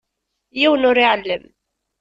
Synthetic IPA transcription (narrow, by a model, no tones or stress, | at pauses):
jiwənʊɾiʕəlːəm